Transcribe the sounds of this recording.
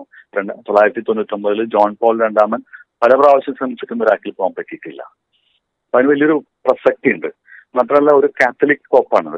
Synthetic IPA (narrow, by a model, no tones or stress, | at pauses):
ɾeɳɖt̪o̞lːaːjiɾɐt̪ːit̪oɲːt̪ːombɐðilɨd͡ʑoːnpoːlɾeɳɖaːmɐnpɐlɐpraːʋɐɕjɐmsɐmit͡ɕːi̥kʲːunːɐɾaːkːilpoːɐmpɐʈːiʈːilːɐ̰ | pɐnɨʋɐlijo̞ɾuprɐsɐk̚ʈijuɳɖɨ | maːt̪rɐmɐlːao̞ɾukaːt̪ʰːɐlikːɨkoːpːaːɳɨ̰